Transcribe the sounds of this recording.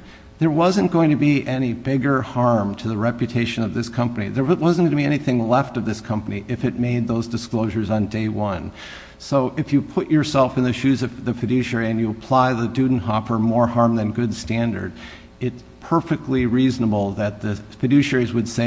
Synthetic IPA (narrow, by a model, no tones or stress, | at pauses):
ðə˞wʌzɨ̃nɡ̥oʊɪ̃ŋtʰɨbiʔɛñibɪɡə˞hɑɹmtʰɨðɨɹɛpjɨtʰeɪʃɨ̃nʌvðɪskʰʌ̃mpənḭðə˞wʌz̃n̩ɡʌ̃nɨbiɛniθɪ̃ŋlɛftʌvðɪskʰʌ̃mpəniʔɨfɨt̚meɪd̪̚ðoʊzdɨskloʊʒə˞zn̩deɪwʌ̃n | soʊʔɨfjɨpʰʊt͡ʃə˞sɛlˠfɨ̃nðɨʃʉzʌv̥ðɨfɨdʉʃɛɹiɨ̃njɨəpʰl̥aɪðɨdʉdⁿn̩ɦɑfə˞mɔɹhɑɹmðɨ̃nɡʊdstæ̃ndə̰˞d | ɪts | pʰɜ˞fɨk̚tˡliɹiznəbl̩ˠðɨt̪̚ðɨfɨdʉʃɛɹizwɨd̥seɪ